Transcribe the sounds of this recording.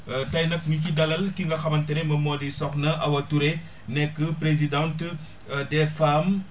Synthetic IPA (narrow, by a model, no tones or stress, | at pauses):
tɐjnɐk̚micidɐlɐlkiŋɡɐxɐmɐntɛnɛmɐmɔːdisɔxnɐʔɐwɐtuɾe | nɛkːəpɾezidãnt | dɛfam